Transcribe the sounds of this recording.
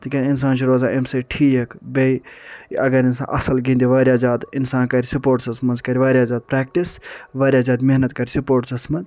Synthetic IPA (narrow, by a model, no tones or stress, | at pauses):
t̪ɨkʲɐninsaːnt͡ʃʰiɾoːzãːʔemseʈʰiːjekbeiɐɡɐɾinsã̰ːʔɐsɐlɡĩːnd̪iʋɐːɾʲjaːzaːd̪insaːnkɐɾisupoːɾʈsɐsmɐnzkɐɾiʋaːɾʲjaːzaːd̪̚pɾɛːk̚ʈisʋaːɾʲjaːzaːd̪meɦnɐt̪kɐɾʲisupoːʈsɐsmɐz